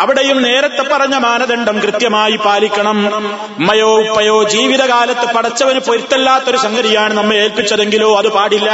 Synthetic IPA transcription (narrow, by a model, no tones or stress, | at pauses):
ɐʋiɽejumne̞ːɾɐt̪ːe̞pːɐrɐɲːɐmaːnɐðeɳɖɐmkrɨt̪jɐmaːjipaːlikʲːɐɳɐm | mɐjoːpːɐjoːd͡ʑiːʋiðɐkaːlɐt̪ːepɐɽɐt͡ɕːɐʋɐnupo̞ɾit̪ːelːaːt̪ːo̞ɾusɐŋɡɐɾijaːɳɨnɐmːɐɭe̞ːlpit͡ɕːɐðe̞ŋɡiloːɐðɨpaːɽilːɐ